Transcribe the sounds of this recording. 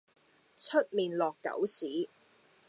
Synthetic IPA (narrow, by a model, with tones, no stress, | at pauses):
t͡ʃʰɵ˥t̚miː˨nlɔː˨kːɐ̰˨˥wsiː˨˥